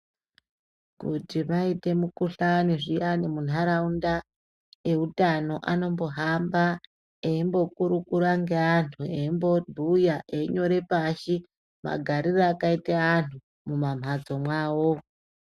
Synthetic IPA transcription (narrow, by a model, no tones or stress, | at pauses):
kutimaite̞mukuɬaniʐijanemun̤aɾaunda | e̞utano̞ʔano̞mbo̞ɦamba | eimbo̞kuɾukuɾaŋɡe̞antʰueimbo̞dʱujaʔeiɲo̞ɾe̞paʃi | ma̰ɡʱaɾiraːkaiteantʰu | mumam̤ad͡zo̞mwaːwo̞